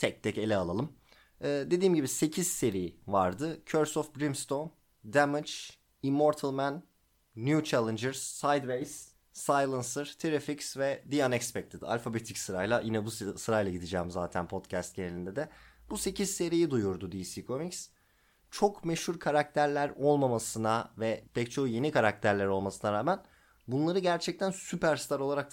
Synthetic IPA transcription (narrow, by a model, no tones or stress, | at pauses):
t̪ʰɛc̚t̪ʰɛce̞lʲɛalˠalˠɯm | ɛːd̪e̞d̪iːmɟibise̞cʰiz̥se̞ɾijivaɾd̪ɯcʰøɾsɔfbɾimst̪on | d̪æmɯt͡ʃ | imːo̞ɾt̪ʰalˠmænː | jut͡ʃʰælʲˠɪnd͡ʒɯɾz̥sajd̪vejz̥ː | ajlˠansɯɾt̪ʰeɾeficsvɛd̪ijanɛkspɛc̚t̪ʰid̪ia̰lʲfabet̪ʰicsɯɾajlˠajinɛbussɯɾajlˠaɟid̪id͡ʒɛːmza̰ːt̪ʰænpʰo̞t̪cʰæst̪̚ɟenelʲind̪ɛd̪ɛb̥use̞cʰizse̞ɾijid̪ujuɾd̪ud̪isiːkʰo̞miks | t͡ʃʰo̞kme̞ʃhuɾkʰaɾak̚t̪ʰæɾlʲæɾo̞lˠmamasɯnavɛpʰɛct͡ʃʰo̞hje̞nikʰaɾak̚t̪ʰæɾlʲæɾo̞lˠmasɯnaɾaːmæn | bunlˠaɾɯɟæɾt͡ʃʰɛc̚t̪ʰænsypʰæɾst̪ʰaɾo̞lˠaɾak̪̚